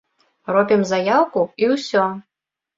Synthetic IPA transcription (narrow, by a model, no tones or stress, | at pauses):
rɔpʲimzajawkuiwsʲɔ